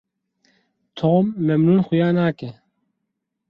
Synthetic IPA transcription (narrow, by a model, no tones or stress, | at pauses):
t̪ʰoːmːɛmnuːnxujaːnaːkɛ